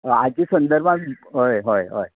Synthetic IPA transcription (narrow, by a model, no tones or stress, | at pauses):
at͡ɕisənd̪əɾbʱãɦojɦojɦo̰j